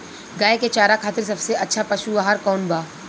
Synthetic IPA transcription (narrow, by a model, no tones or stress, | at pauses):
ɡaːeket͡ʃaːɾakʰaːt̪ɪɾs̬ɐbseɐtːʃʰapɐʃuʋaːɦaɾkɔːnbaː